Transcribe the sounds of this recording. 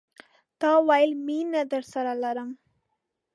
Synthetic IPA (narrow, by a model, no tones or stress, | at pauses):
t̪ɑwajlminad̪əɾsaɾalaɾəm